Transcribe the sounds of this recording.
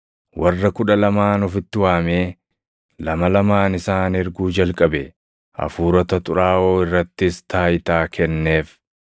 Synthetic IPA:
wʔɐrːɐkʊᶑɐlɐmaːnɔfɪt̪ːɪwaːmeː | lɐmɐlɐmaːnɪsaːnɪɾɡuːd͡ʒɐlkʼɐbɛ | ʔɐ̰fuːɾɐt̪ɐt̪ʼʊɾaːʔoːɪrːɐt̪ːɪst̪aːjɪt̪aːkʰɛnːe̞ːf

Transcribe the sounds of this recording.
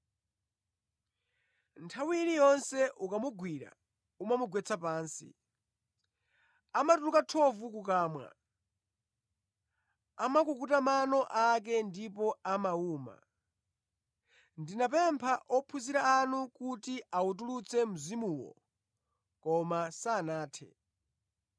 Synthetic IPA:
ntʰawiɾijɔnsɛʔukamuɡwiɾa̰ | umamuɡwɛt͡sʰapaːnsḭ | amatulukatʰɔvukukaːmwa̰ | amakukutamanɔʔak̬ɛndipɔamauːma̰ | ndinapɛmpʰaʔɔpʰuziɾaːnukutiautulut͡sʰɛm̩zimuːwɔ̰ | kɔmasaːnaːtʰɛ̰

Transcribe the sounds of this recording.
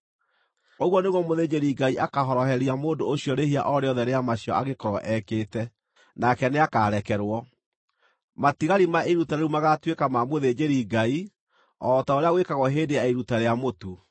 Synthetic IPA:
oɣwɔneɣwɔmoðed͡ʑeɾiɡaiʔakaɦɔɾɔɦɛɾiamoːndoːɕiɔɾehia̰ʔɔɾeɔðɛɾeamaɕiɔ̰aɣekɔɾɔʔɛkeːtɛ | nakɛneakaːɾɛkɛɾwɔ | matiɣaɾimaʔeɾutaɾeumaɣatwekamamoðed͡ʑeɾiɡai | ɔːtaoɾeaɣwekaɣɔɦeːdejaeɾutaɾeamotu

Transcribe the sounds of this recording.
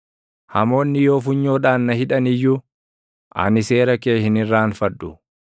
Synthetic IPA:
hɐ̰mo̞ːnːɪjo̞ːf̬ʊɲːo̞ːᶑaːnnɐhɪᶑɐnɪjːuː | ʔɐ̰nɪse̞ːɾɐkeːhɪnɪrːaːnfɐᶑːʊ

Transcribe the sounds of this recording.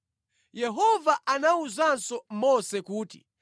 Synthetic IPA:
jɛɦɔvaʔanauzansɔmɔsɛkuːtḭ

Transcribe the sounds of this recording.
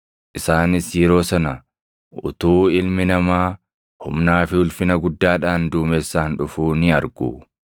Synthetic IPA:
ʔɪsaːnɪsjɛɾo̞ːsɐnɐ | ʔʊ̰t̪uːɪlmɪnɐmaː | hʊmnaːfɪhʊlfɪnɐɡʊd̪ːaːᶑaːnd̪uːmɛsːaːnᶑʊfuːnɪɐɾɡṵː

